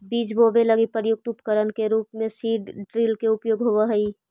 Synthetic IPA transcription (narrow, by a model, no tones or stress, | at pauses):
biːt͡ʃbʱoːbeləɡipəɾjʊk̚t̪ʊpkəɾənkeɾuːpmẽsiːɖɖɾiːlkeʊpjoːɡɦoʋaɦəi